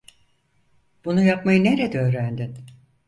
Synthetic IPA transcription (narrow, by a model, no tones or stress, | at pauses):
b̥unujapmajɯne̞ɾed̪ɛø̞ːɾænd̪in